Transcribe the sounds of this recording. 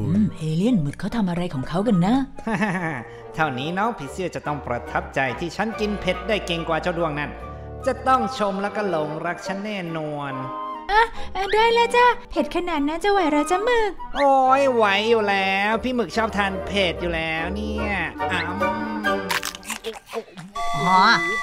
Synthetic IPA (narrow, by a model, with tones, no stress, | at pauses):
ʔɯ˧˩mʔeː˧li˥˩ənmɯ˨˩kʰːa˦˥wt̪ʰa˧mʔa˧ɾa˧jkʰɔː˩˦ŋkʰa˦˥wka˧nːa˦˥haː˧˩˧ | t̪ʰa˧˩wniː˦˥nɔː˦˥˩ŋpʰi˦˩sɯ˥˩t͡ɕa˨˩t̪ɔ˥˩ŋpɾa˧t̪ʰa˦˥p̚t͡ɕa˧jt̪ʰiː˥˩t͡ɕʰa˦˥nki˧npʰe˦˥t̪̚daː˥˩jke˧ŋkwaː˨˧t͡ɕa˧˩du˧əŋna˥˩n | t͡ɕa˨˩t̪ɔ˥˩ŋt͡ɕʰo˧mlɛː˦˥wkɔ˥˩lo˨˩˦ŋɾa˦˥k̚t͡ɕʰa˦˥nːɛː˥˩nu˧ənʔa˧˩ʔa˧du˥˩əjlɛː˦˥wt͡ɕa˧˩pʰe˨˩t̪̚kʰa˧naː˨˩t̪̚na˦˥t͡ɕa˧˩wa˨˩jɾa˧wt͡ɕa˨mɯː˨˧˩k̚ʔoː˧jwa˨˦jːuː˨˩lɛː˦˥wpʰiː˥˩mɯ˨˩k̚t͡ɕʰɔː˥˩p̚t̪ʰaː˧npʰe˨˩t̪̚juː˨˩lɛː˦˥wniː˥˩˥ɐʔa˧˩m | ɔː˨˦